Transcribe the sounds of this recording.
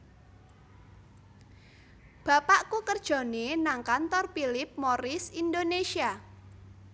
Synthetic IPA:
b̥a̤paʔkukərd̥ʒ̥ɔ̤nenaŋkant̪ɔrpilɪp̚moɾɪsind̪onesia

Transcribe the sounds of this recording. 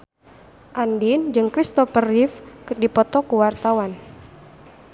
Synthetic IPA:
ʔandind͡ʒɨŋkɾist̪ɔfərifkdipɔt̪ɔkuwart̪awan

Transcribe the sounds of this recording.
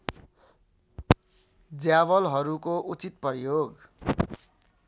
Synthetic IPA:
d͡zjaβʌlɦʌɾukoʔut͡sit̪̚pʌrjoɡ

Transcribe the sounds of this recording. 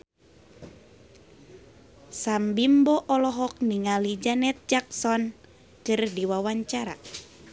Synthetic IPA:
sambimbɔʔɔlɔɦɔk̚niŋalid͡ʒanɛt̪̚d͡ʒaksɔn | t͡ʃɨrdiwawaɲt͡ʃaɾa̰

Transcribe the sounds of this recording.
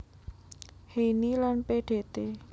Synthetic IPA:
henilanpeɖ̥e̤t̪e

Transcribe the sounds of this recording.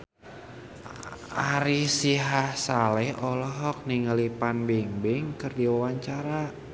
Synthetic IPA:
aɾisiɦasalɛʔɔlɔɦɔk̚niŋəlipanbiŋbɪŋkɨrdiwawaɲt͡ʃaɾa

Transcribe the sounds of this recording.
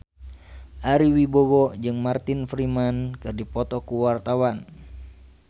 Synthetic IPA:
ʔaɾiwibɔwɔd͡ʒɨŋmart̪infɾimankɨrdipɔt̪ɔkuwart̪awan

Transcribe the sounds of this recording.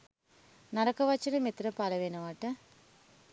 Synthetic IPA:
nɐɾɐkɐʋɐt͡ʃːinɐmet̪ːɾɐpaːlɐʋeːnɐʋaːʈɐ

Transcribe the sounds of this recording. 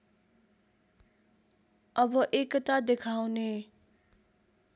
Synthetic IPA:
ʌbʌʔekʌt̪ad̪ekʰawne

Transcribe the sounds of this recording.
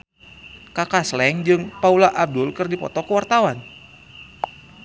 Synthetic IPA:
kakaslɛŋd͡ʒɨŋpaulaʔab̚dʊlkɨrdipɔ̰t̪ɔkəwart̪awan

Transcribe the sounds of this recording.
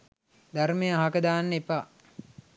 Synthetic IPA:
d̪aɾmejəaɦakəd̪aːnːepa

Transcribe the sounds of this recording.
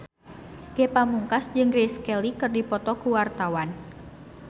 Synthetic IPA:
ɡ̥epamuŋkasd͡ʒɨŋɡɾeskɛlikɨrdipɔt̪ɔkuwart̪awan

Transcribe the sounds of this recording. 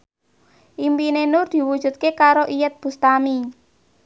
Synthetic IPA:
ʔimpinenʊrd̪̥i̤wud̥ʒ̥ṳt̪̚kekaɾoʔijət̪̚b̥ṳst̪ami

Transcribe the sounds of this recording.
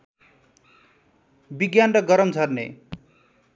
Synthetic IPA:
biɡjanrʌɡʌɾʌmd͡zʱʌrnḛ

